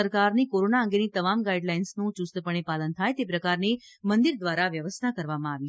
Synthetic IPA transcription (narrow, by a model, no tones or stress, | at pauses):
əɾkaɾnikoɾonaə̃ŋɡenit̪əmamɡaiɖlainsnũt͡ʃust̪əpəɳ̃ipalənt̪ʰajt̪ep̬ɾəkaɾni | mənd̪iɾd̪ʋaɾaʋjəʋəst̪ʰakəɾʋamãaʋi